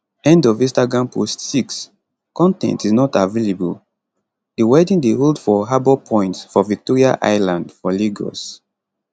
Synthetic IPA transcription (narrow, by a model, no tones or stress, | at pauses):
ɛ̃ndɔvĩstaɡɹãmpʰostsiks | kɔ̃ntɛ̰̃ntiznɔtavelebul | diwedĩndeɦoldfɔɦabɔpʰɔ̃ɪ̃ntsfɔvik̚tɔɹiaʔa̰ɪlãndfɔliɡɔ̰s